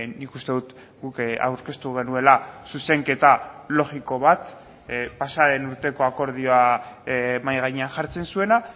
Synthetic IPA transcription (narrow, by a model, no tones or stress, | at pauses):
nikust̪e̞ðut̪ | ɡuka̰wɾke̞st̪uɣ̞e̞nue̞lasuse̞ŋke̞t̪alo̞ɣiko̞βat̪ | pasaðe̞nuɾt̪e̞ko̞ako̞ɾð̞io̞a | majɣ̞aɲeaʝaɾt͡se̞nsue̞na